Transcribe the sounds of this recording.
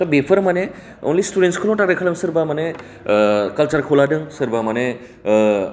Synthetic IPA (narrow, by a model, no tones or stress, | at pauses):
t̪ɔbepʰəɾmane | o̰nlisʈuɖenʈskʰəlõʈaɾəkʰələŋsəɾbamane | kəlt͡ʃəɾkʰoladɯŋsəɾbamane